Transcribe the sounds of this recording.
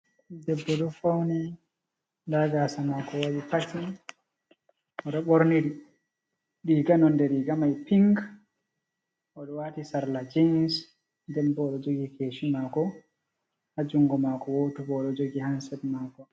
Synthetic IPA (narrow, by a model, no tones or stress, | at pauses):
dɛbːɔɗɔfawnɛ | daɡaːsamakɔwawipati | ʔɔɗɔɓoɾniɾi | ɗiɡanɔndɛɾiɡamajpiŋɡ | ɔɗɔwatisaɾlad͡ʒins | ndɛmbɔɗɔd͡ʒoɡikeːʃimakɔ | had͡ʒuŋɡɔmakɔwotubɔɗɔd͡ʒoɡihansɛtmaːkɔ